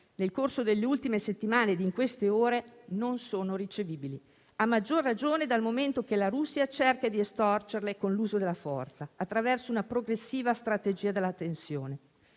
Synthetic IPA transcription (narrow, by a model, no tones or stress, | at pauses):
nelkorsod̪elːeult̪imeset̪ːimaːned̪iŋkwest̪eoːɾenonsoːnoɾit͡ʃeviːbili | amːad͡ʒːorːad͡ʒoːned̪almoment̪ok̟elaɾusːiat͡ʃerkad̪iest̪ɔrt͡ʃerlekonluːzod̪elːafɔ̰rt̪saːt̪ːɾavɛrsounapɾoɡɾesːiːvast̪ɾat̪ed͡ʒiːad̪elːat̪ːensjoːne